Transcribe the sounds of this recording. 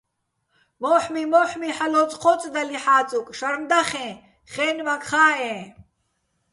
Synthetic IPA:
mɔːħmimɔːħmiħalɔt͡sʼqʰɔt͡sʼd̪aliħaːt͡sʼukʼʃaɾmd̪aχɛ̃ː | χɛːnvakχaːɛ̃ː

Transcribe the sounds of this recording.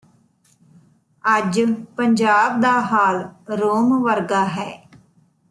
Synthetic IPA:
əd͡ʒpəɲd͡ʒaːb̚d̪aːɦaːlɾoːmʋəɾɡaːɦɛː

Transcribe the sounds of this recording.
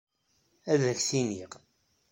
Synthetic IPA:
æðəçθiniʁ

